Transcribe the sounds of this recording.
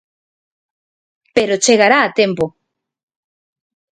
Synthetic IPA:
peɾot͡ʃeɣaɾaːt̪empo

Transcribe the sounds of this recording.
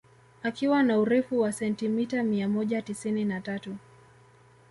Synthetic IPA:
akiwanauɾɛfuwasɛntimitamiamɔʄatisininatatu

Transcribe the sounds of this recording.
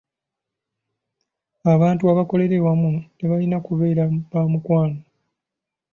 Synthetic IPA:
aβaːntuaβako̞le̞ɾe̞wamute̞βalinakuβe̞ːɾaβaːmukwaːno

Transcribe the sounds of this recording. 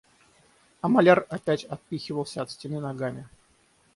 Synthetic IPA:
ɐmɐlʲarɐpʲætʲɐt̪̚pʲixʲɪvəlˠsʲəɐt̪sʲtʲɪnʲinɐɡamʲɪ

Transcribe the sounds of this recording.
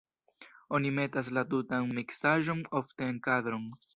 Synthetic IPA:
o̞nime̞tas̬latutanmiksaʒo̞no̞fte̞ːnkadɾo̞n

